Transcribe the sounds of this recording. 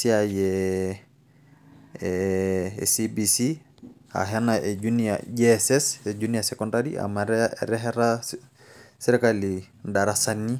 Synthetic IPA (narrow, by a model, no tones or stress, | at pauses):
siajɛ | sibisi | a̰ɦɛnaɛd͡ʒunia̰ɟɛsɛsɛd͡ʒuniasɛkɔndaɾḭa̰ma̰ɾɛɦɛɾa | sɛɾɛkali | ndaɾasanːi